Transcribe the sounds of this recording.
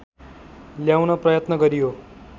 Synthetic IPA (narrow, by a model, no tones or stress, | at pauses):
ljawnʌprʌjʌt̪nʌɡʌɾijo